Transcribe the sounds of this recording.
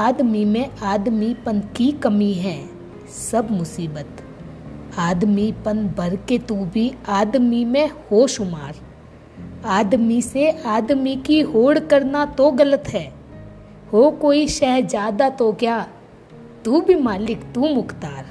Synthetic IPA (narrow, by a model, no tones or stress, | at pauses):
aːd̪mimẽaːd̪mipənkikəmiɦɛ̃ː | sɐbmʊsiːbət̪ | aːd̪mipənbʱɐɾket̪ubʱiaːd̪mimẽhoːʃʊmaːɾ | aːd̪miseaːd̪mikiɦoːɽkəɾnat̪oɡələt̪ɦɛː | hoːkoːiʃɛːɦɾd͡ʒjaːd̪at̪okjaː | t̪uːbʱimaːlɪkt̪umʊkt̪aːɾ